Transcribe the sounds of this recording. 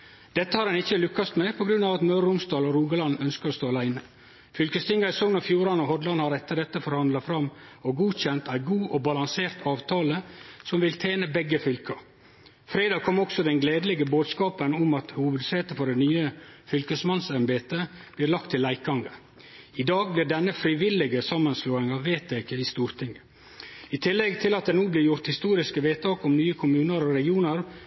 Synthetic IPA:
d̪̥ɛt̪ːəhɑɾɑnɪçːəlʉkːɑst̪mɛpʰɔɡɾʉnːɑʋɑt̪mœɾʊmst̪ɑːlɔɾuːɡəlɑnœnskəɾɔst̪oːɑlæɪnə | fʏlkəst̪ʰɪŋɑɾsɔŋnɔfjuːɾɑnɔhɔd̪lɑnhɑɾɛt̪ːəɖɛt̪ːəfɔɾhɑnd̪lɑfɾɑmɔɡuːçɛnt̪ʰæɪɡuːʔɔbɑlɑŋseːɾt̪ʰɑːʋt̪ʰɑːləsɔmʋɪlt̪ʰeːnəbɛɡːəfʏlkʰəɾ | fɾeːd̪ɑːɡ̚kʰɔmːɾɔksɔd̪ɛnɡleːd̪əlɛɡəboːd̪skɑːpənʊmɑt̪hʊʋəd̪seːt̪əfɔɖɛnyːəfʏlkəsmɑnsɛnbeːt̪ə | b̥lɪːɾlɑk̚t̪ʰːɪlːæɪk̚ɡɑŋɡə | ɪd̪ɑːɡ̚blɪːɾɖɛnːəfɾɪʋɪlːɪɡəsɑmːənsluːɪŋɑːʋːeːt̪eːkəɪst̪uːɾt̪ʰɪŋːə | ɪt̪ʰɪlːɛɡt̪ʰɪlɑt̪̚d̪ɛnuːblɪːɾjʊɾt̪hɪst̪uːɾɪskəʋeːt̪ʰɑːkɔmnyːəkʰʊmʉːnəɾɔɾɛɡɪuːnəɾ

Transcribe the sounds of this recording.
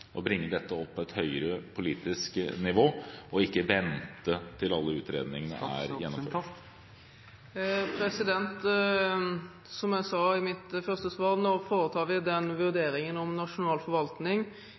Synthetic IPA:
ʔɔbɾɪŋːəd̪ɛt̪ːəɔpʰːɔɛt̪hœʏəɾəpʰʊliːt̪ɪsknɪʋoːʔɔɪkːəʋɛnt̪ət̪ʰɪlɑlːəʉːt̪ɾeːd̪nɪŋənə̰æ̰ɾjɛnːɔmfø̰ː | pʰɾɛsɪd̪ɛnt̪ | sɔmjæɪsɑːɪmɪt̪fœʁst̪əsʋɑːɾnoːfoːɾət̪ʰɑːʋɪd̪ɛnʋʉɾd̪eːɾɪŋənɔmnɑʂʊnɑːlfɔɾʋɑlt̪nɪŋ

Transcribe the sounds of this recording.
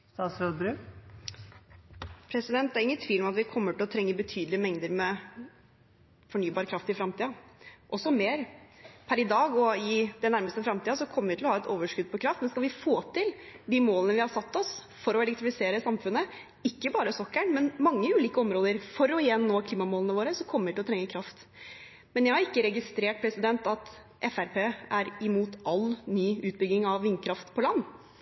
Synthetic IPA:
st̪ɑːt̪sɾød̪bɾʉː | pʰɾɛsɪd̪ɛnt̪̚d̪æɾɪŋːənt̪ʰʋiːlɔmɑt̪ʋɪkʰɔmːəʈɪlɔt̪ʰɾɛŋːəɾbət̪ʰyːd̪l̩ɪəmɛŋd̪əɾmɛ | fɔɳyːbɑːɾəkʰɾɑft̪ɪfɾɑmt̪ʰiːɑʔɔsːɔmeːɾpʰæɾɪd̪ɑːɡɔɪd̪ɛnæɾməst̪əfɾɑmt̪iːɑsɔkʰɔmːəɾʋɪt̪ʰɪlɔhɑːɛt̪oːʋəʂkʉd̪̚pʰɔkʰɾɑft̪mɛnskɑlʋɪfoːt̪ʰɪld̪iːmoːlənəʋɪhɑsɑt̪ːɔs | fɔɾɔɛlɛkt̪ɾɪfɪseːɾəsɑmfʉnːə | ɪkːəbɑːɾəsɔkːəɳmɛnmɑŋːəʉːliːkəɔmɾoːd̪əɾfɔɾɔɪjɛnːoːkʰliːmɑmoːlnəʋoːɾəsɔkʰɔmːəɾʋɪt̪ɪɔt̪ʰɾɛŋːəkʰɾɑft̪ | mɛnjæɪhɑɾɪkːəɾɛɡɪst̪ɾeːʈ̚pʰɾɛsɪd̪ɛnt̪ɑt̪ | ʔɛfæɾpʰeːæɾɪmuːt̪ʔɑlnyːʉːt̪̚bʏɡɪŋɑʋːɪnːkʰɾɑft̪pʰɔlɑnː

